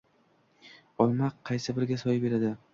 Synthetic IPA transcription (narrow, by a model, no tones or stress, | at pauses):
ɒlˠmaqʰːɑjsɪbɪɾɡʲasɒjbe̞ɾad̪ɪ